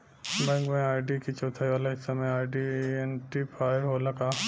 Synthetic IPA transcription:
mɐ̃ŋɡmẽaːɪɖikit͡ʃoːt̪ʰaːiʋaːlaɦɪsːamẽaːɖienʈipʰaːjəɾɦolɐkaː

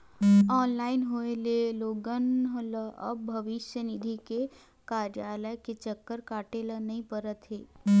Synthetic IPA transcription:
ɔːnlaːɪnɦoeleloːɡənɦləɐ̰bbʱɐʋɪʃjənɪd̪ʱike | kaːɾjaːləjket͡ʃəkːəɾkaːʈelənɐɦĩpəɾət̪ɦeː

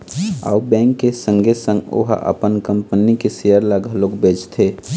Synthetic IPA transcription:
a̰ːubɛ̃ːŋkːesə̃ŋɡʱesə̃ŋɡo̰ɦʔə̰pənkəmpənikesejəɾlaɡʱəlokbeːd͡ʒt̪ʰe

